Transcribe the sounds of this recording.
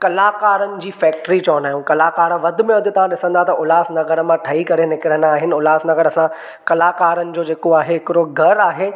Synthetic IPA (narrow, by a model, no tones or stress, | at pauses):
kɐlaːkaːɾənɪ̆d͡ʑiːfɛːk̚ʈɾit͡ɕɔːnaːɦjũːkɐlaːkaːɾəʋɐd̪ʱɪ̆mẽɐd̪ʱɪt̪ɐʋ̤ãɗɪsə̃nd̪aɦt̪ɐʔʊlaːsnɐɡəɾəmãʈʰɐikɐɾenɪkɪɾə̃nd̪aːɦɪnɪ̆ʊlaːsnɐɡəɾɐsã | kɐlaːkaːɾənɪ̆d͡ʑoːd͡ʑeːkoaːɦeɦɪkɪɾoɡʱɐɾaːɦeː